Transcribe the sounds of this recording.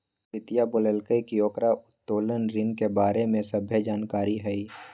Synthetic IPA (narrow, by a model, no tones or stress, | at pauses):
ɪt̪ijabʊləlkəikiɔːkɾaʊt̪ːoːlənɾɪnkebaːɾemẽsəbʱjəd͡ʒaːnkaːɾiɦɛi